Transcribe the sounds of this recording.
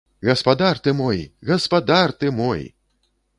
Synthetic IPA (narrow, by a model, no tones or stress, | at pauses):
ɣɐspad̪art̪ɨmɔjɣɐspad̪art̪ɨmɔj